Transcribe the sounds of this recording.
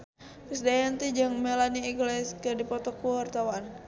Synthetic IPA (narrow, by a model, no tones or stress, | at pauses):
kəsdajant̪id͡ʒaŋmelaniːŋɡlɛskədipɔt̪ɔkuwart̪awan